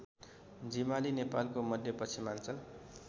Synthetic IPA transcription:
d͡zimalinepalkomʌd̪ʱjʌpʌt͡sʰimant͡sʌl

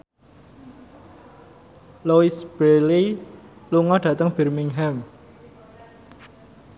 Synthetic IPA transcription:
loisb̥eliluŋɔɖ̥ä̤t̪əŋb̥ɛ̤rmiŋɦɛm

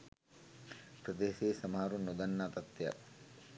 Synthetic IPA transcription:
pɾɐd̪eːseːsɐmaɦɾunːod̪ɐnːaːt̪ɐt̪ːeja̰t

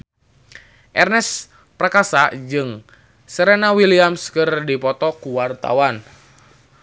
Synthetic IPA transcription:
ʔɛrnɛs | prakasad͡ʒɨŋ | səɾenawiliamskɨrdipɔt̪ɔkuwart̪a̰wan

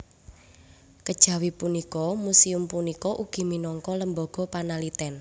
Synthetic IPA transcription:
kəd̥ʒ̥ä̤wipunikɔmusiʊmpunikɔʔuɡ̥i̤minɔŋkɔləmbɔɡ̥ɔ̤panalit̪ɛn

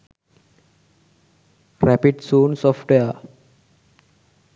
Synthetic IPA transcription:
ɾɛpiɖsũːnsɔfʈeə

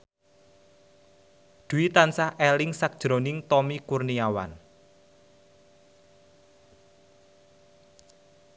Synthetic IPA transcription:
d̪̥uit̪ansahʔɛlɪŋsak̚d̥ʒ̥ɾo̤nɪŋt̪ɔmikurniawa̰n

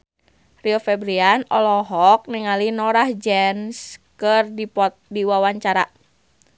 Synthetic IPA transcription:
riofɛbɾianɔlɔɦɔk̚niŋalinɔɾahd͡ʒɛnskərdipɔt̪̚diwawaɲt͡ʃaɾa̰

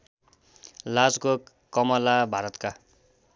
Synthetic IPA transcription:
lad͡zɡo | kʌmʌlabʱaɾʌt̪ka

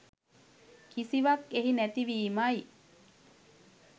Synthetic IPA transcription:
kisiʋakeɦinæt̪iʋiːmaj

